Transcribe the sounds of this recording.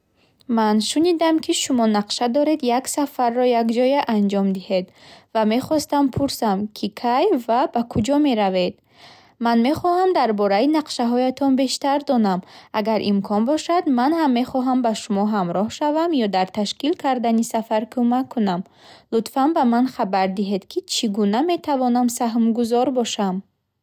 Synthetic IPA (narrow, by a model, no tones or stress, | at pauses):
manʃunid̪amkʰiʃumɔnaqʃad̪ɔɾe̞d̪jaksafarːɔjakd͡ʒɔjaʔand͡ʒɔmd̪ihed̪vame̞χɔst̪ampʰuɾsamkʰikʰajvabakʰud͡ʒɔme̞ɾave̞d̪̚ | manme̞χɔhamd̪aɾbɔɾainaqʃaɦɔjat̪ʰɔnbe̞ʃt̪aɾd̪ɔnamaɡaɾʔimkʰɔnbɔʃad̪manhamːe̞χɔɦambaʃumɔɦamɾɔhʃavamjɔd̪aɾt̪ʰaʃkilkʰaɾd̪anisafaɾkʰumakʰːunam | lut̪fanbamanχabaɾd̪iɦe̞d̪kʰit͡ʃʰiɡuname̞t̪ʰavɔnamsaɦmɡuzɔɾbɔʃam